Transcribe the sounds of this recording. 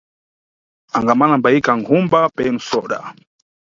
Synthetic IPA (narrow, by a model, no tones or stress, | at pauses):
aŋɡamanambaikaŋkʰumbapɛnusɔɗa̰